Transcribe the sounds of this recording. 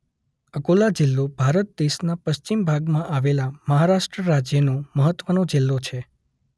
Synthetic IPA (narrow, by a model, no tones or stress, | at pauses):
əkolad͡ʒɪlːobʱaɾət̪̚d̪eʃnapəʃt͡ʃimbʱaɡmãʔaʋelaməɦaɾaʃʈɾəɾad͡ʒjənõməɦət̪ʋənõd͡ʒɪlːot͡ʃʰe